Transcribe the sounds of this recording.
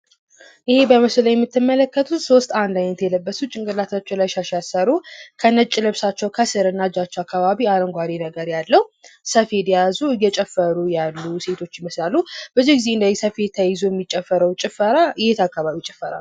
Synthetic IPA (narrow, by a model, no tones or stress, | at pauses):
ʔɪhe̞bəməsləjɛmːɨt̪ʰːɨmːələkːət̪ʰut̪so̞st̪and̪ajnət̪jɛləbːəsut͡ʃʼɪŋkʼɨlat̪ʰat͡ʃːɛwlajʃaʃasəɾukʰənət͡ʃʼːɪlɨβsat͡ʃːɛwkʰəsɨɾɨnːad͡ʒat͡ʃːɛwakːaβaβiaɾəŋɡʷad̪enəɡəɾjalːəhwsəfe̞d̪jazujɛt͡ʃʼɛfːəɾujalːuse̞t̪ʰo̞t͡ʃːjɪməslalːub̥əzːihɡɨze̞ɨnd̪əɛsəfe̞t̪ʰːajɪzojɛmːit͡ʃʼːɛfːəɾəwt͡ʃʼɪfəɾajet̪akːaβaβit͡ʃʼɪ̥fːəɾa̰l